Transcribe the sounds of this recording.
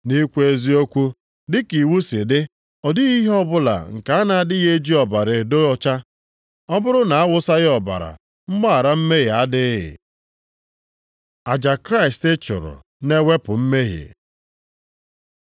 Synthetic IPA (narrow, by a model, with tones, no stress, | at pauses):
ni˦kʷe˦zi˦o˦kʷu˦ | dɪ˦ki˨wu˦sɪ˨dɪ˦ | ɔ˨dɪ˦ɣi˦ɦe˦ɔ˦bʊ˦la̰˨ŋ̩˨ka˨a˦na˨a˨dɪ˦ɣe˦d͡ʒi˦ɔ˨ba˨ɾɪ˨do˦ɔ˦t͡ʃa˦ | ɔ˦bʊ˦ɾʊ˦na˨a˦wʊ˦sa˦ɣɪ˦ɔ˨ba̰˨ɾa̰˨ | m̩˦ɡ͡ba˦a˨ɾa˦m̩˦me˦ɣɪ˨a˦dɪ˦ɪ̰˨ | a˨d͡ʒa˨kɾa˦ɪ˨stɪ˦t͡ʃʊ̰˨ɾʊ̰˨ | ne˦we˦pʊ˨m̩˦me˦ɦɪ̰˨